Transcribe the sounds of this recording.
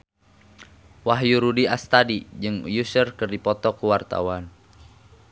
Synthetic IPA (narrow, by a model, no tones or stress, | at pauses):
waɦjuɾudiast̪adid͡ʒɨŋjusərkɨrdipɔt̪ɔkuwart̪a̰wan